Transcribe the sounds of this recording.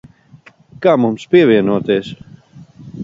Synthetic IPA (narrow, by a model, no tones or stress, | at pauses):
kaːmumspiɛvʲiɛnuɔt̪eːs